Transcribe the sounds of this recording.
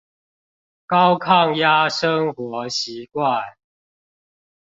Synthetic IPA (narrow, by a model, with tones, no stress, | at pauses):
kɑ˦ʊkʰɑ˥˨ŋja˦ʂə˦ŋxwɔ˨˦ɕi˨˦kwa˥˨n